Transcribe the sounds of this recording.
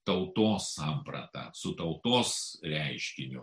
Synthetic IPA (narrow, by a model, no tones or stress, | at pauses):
t̪ɐʊt̪oːssɑːmpɾɐ̰t̪ɐ̰sʊt̪ɐʊt̪oːsɾʲɛɪʃʲkʲɪnʲʊ